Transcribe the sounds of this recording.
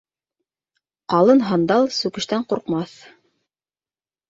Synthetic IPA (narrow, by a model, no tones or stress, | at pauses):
qɑlˠɤnɦɑnd̪ɑlˠsʉkɘ̆ʃt̪æɴquɾqmɑθ